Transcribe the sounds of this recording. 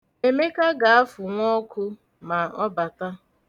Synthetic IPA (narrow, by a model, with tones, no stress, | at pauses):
e˨me˦ka˦ɡa˨a˦fʊ˨ŋʷɔ˦kʰʊ˦ | ma˨ɔ˦ba˨ta˦